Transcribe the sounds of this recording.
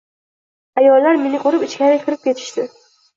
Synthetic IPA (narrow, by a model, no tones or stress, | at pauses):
ajɒlːaɾmenɪqʰʊɾɪpɪt͡ʃkʲaɾɪkʲʰɪɾɪp̚kʲʰe̞t̪ʰɪ̥ʃt̪ɪ